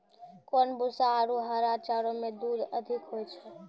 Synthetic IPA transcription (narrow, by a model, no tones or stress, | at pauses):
konbusaːɾuɦəɾat͡ʃaɾomed̪uɾəd̪ʱikɦojt͡ʃʰɛ